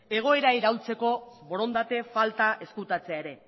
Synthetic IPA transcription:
e̞ɣ̞o̞e̞ɾaiɾawlt͡se̞ko̞βo̞ɾo̞nd̪at̪e̞falt̪aʔe̞skut̪at͡se̞aeɾe̞

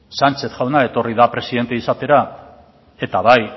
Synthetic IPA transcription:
sant͡ʃe̞θʝawnae̞t̪o̞riðapɾe̞siðe̞nt̪e̞isat̪e̞ɾa | e̞t̪aβaj

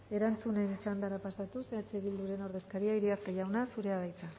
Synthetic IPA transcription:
e̞ɾant͡sune̞nt͡ʃand̪aɾapasat̪useat͡ʃe̞βild̪uɾe̞no̞ɾð̞e̞skaɾiaiɾiaɾk̪eʝawnasuɾe̞aβajt̪a

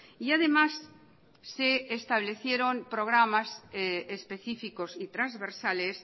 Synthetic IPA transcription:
iaðe̞masː | eːst̪aβ̞le̞θjeɾõmpɾoɣ̞ɾamaseespe̞θifikosit̪ɾanzβeɾsales

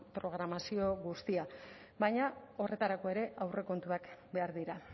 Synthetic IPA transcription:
pɾo̞ɣɾamasio̞ɣust̪ia | bajɲao̞re̞t̪aɾako̞e̞ɾe̞ʔawre̞ko̞nt̪uakbe̞aɾðiɾa

